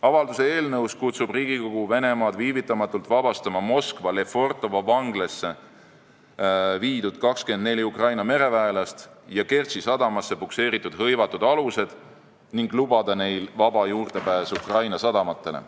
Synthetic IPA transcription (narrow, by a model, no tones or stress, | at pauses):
ɑvɑld̪use̞e̞ːlnɤwskut̪sub̥riːɡiko̞ɡ̥uve̞ne̞mɑːd̪̥viːvit̪ːˑɑmɑt̪ːˑult̪ˑvɑb̥ɑst̪ɑmɑmo̞skvɑlefo̞rt̪ːˑo̞vɑvɑŋɡlesːe | viːd̪̥ud̪̥kɑkske̞nd̪ne̞lʲiukrɑjnɑme̞ɾe̞væelɑst̪jɑke̞rsisɑd̪̥ɑmɑsːe̞pukse̞ːɾit̪ːˑud̪̥hɤ̞jvɑt̪ːud̪̥ɑluse̞d̪̥ | niŋɡlubɑd̪ɑne̞jlvɑbɑjuːrd̪̥e̞pæːsukrɑjnɑsɑd̪ɑmɑt̪ˑːe̞lḛ